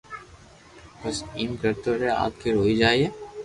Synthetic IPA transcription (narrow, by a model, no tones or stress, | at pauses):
bɐsiːmkɐɾt̪oɾea̰ːt̪̚kʰiɾoːid͡ʒaːieː